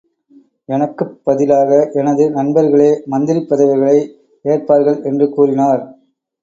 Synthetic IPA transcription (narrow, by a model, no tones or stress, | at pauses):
ɛnɐkːɯːɐðɪlaːɣɐʔɛnɐðɯnɐnbɐɾɣɐɭeːmɐnd̪ɪɾɪpːɐðɐʋɪɣɐɭɐɪ | eːrpaːɾɣɐɭɛndrɯkuːrɪnaːɾ